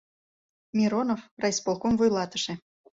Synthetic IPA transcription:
mʲiɾonofrɑjspolˠkomvujlˠɑt̪ə̥ʃĕ

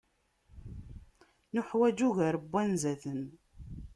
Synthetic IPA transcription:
nʊħwæd͡ʒuʝəɾəbːænzæθən

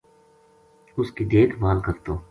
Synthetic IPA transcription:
ʊskid̪eːt̪ʰmaːlkɐɾt̪oː

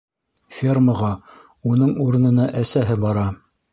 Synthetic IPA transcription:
fʲerməʁɑ | unɤɴuɾɤ̆nɤ̆nɑʔæsæɦɘbɑɾɑ

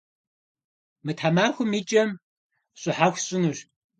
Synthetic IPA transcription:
mɨtʰħamaːxʷʊmiːt͡ʃʼɐm | ɕʼʊħaxʷɕʼɪnɨr

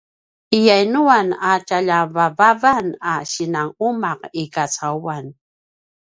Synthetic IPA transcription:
ɪjajnʊwanat͡ʃaʎavavavanaʃɪnaŋʊmɑqɪkat͡sawwan

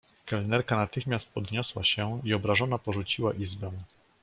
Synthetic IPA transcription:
kɛlnɛɾkanat̪ɘxmʲjast̪̚pɔd̪ɲɔswaɕɛiɔbɾaʐɔnapɔʐut͡ɕiwaʔizbɛw̃

